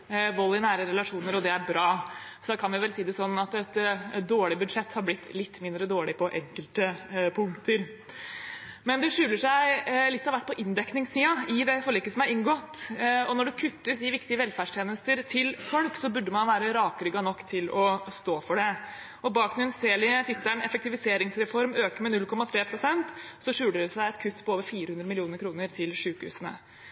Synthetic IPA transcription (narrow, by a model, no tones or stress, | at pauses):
ʋɔlːɪnæːɾəɾɛlɑʂuːnəɾɔd̪ɛæɾbɾɑːsɔd̪ɑkʰɑnʋɪʋɛlsiːd̪ɛsɔnːɑt̪ɛt̪d̪oːɭɪbʉd̪ʂɛt̪ːhɑɾblɪt̪ːlɪt̪ːmɪnd̪ɾəd̪oːɭɪpʰɔʔɛŋkəlt̪əpʰʊŋkt̪əɾ | mɛnd̪ɛʂʉːləʂæɪlɪt̪ːɑʋæʈ̚ːpʰɔʔɪnd̪ɛknɪŋssiːɑɪd̪ɛfɔɭiːkəsɔmæɾɪŋɡɔt̪ːɔnɔɖʉkʰʉt̪ːəsɪʋɪkt̪ɪəʋɛlfæɖʂʈ̪ʰjeːnəst̪əɾt̪ʰɪlfʰœɽpsɔbʉɖːəmɑnʋæːɾəɾɑːkəɾʏɡɑnɔkːt̪ʰɪlɔst̪oːfɔɖɛ | ɔbɑːknɪnseːlɪt̪ʰɪt̪ːæɳɛfɛk̚t̪ɪʋɪseːɾɪŋsɾɛfɔɾmøːkəmɛnʉlkʰɔmːɑt̪ʰɾeːpʰɾʊsɛnt̪sɔʂʉːləɖɛsæɪɛt̪kʰʉt̪ːpʰɔoːʋəɾfiːɾəhʉnɾəmɪlɪuːnəɾkʰɾuːnəɾt̪ʰɪlʂʉːkhʉ̰ːsənə̰